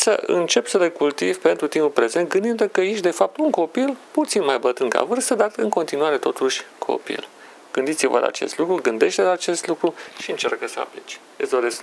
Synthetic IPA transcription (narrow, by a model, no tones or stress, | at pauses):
səʔɨ̰nt͡ʃe̞psəlekult̪ivʲpe̞nt̪ɾut̪imupɾe̞ze̞nt̪̚ɡɨnd̪inəkəjeʃ̬d̪e̞fap̚t̪uŋko̞pilput̪sinmajbət̪ɨŋka̰vɨrst̪əd̪at̪ɨŋko̞nt̪inuaɾe̞t̪o̞t̪uʃʲkʰo̞̰pḭl | ɡ̥ɨnd̪it̪sivə̰la̰aːt͡ʃe̞̰st̪lukɾuɡɨnd̪e̞ʃt̪elaːt͡ʃe̞st̪lukɾuʃiɨnt͡ʃerkəsəa̰plit͡ʃ | esd̪oɾesk